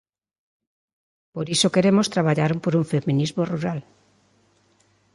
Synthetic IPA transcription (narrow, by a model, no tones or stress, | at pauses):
poɾisokeɾemost̪ɾaβ̞aʎaɾompoɾuɱfemĩnizmoruɾal